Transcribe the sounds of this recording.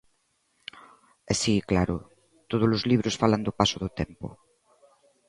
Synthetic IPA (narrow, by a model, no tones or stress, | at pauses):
esiklaɾʊ̰ | t̪oð̞olʊzliβɾosfaland̪opasoðʊt̪ɛmpʊ̰